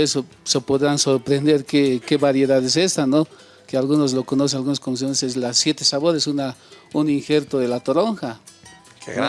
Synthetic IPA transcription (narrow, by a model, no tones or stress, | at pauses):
eso | sopo̞ðɾanso̞ɾpɾe̞nd̪e̞ɾkeke̞βaɾje̞ðaðese̞st̪ano | kealɣunozlo̞kono̞s̬enalɣunoskons̬ionesezlasje̞t̪esaβo̞ɾesuna | uniŋxe̞ɾt̪o̞ðe̞lat̪oɾoŋxa | k